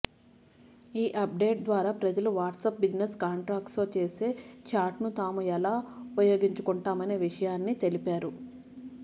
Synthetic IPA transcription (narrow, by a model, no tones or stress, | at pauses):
iːʔɐp̚ɖe̞ːʈ̚d̪ʋaːɾaːpɾɐd͡ʒɐluʋaːʈsɐp̚bid͡ʒneskaːɳʈɾaːk̚ʈslo̞ːt͡ʃe̞ːse̞ːt͡ʃaːʈnut̪aːmuɛlaːupɐjo̞ːɡiɲt͡ʃukuɳʈaːmɐne̞ːʋiʂɐjaːnːit̪e̞lipaːɾu